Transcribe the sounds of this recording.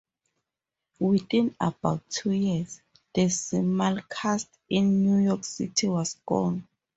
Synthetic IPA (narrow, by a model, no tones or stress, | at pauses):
wiθĩnabawtʰːujis | dəsimalkʰast | ĩnːjujɔksḭtʰiwɔsɡ̥ɔ̰̃n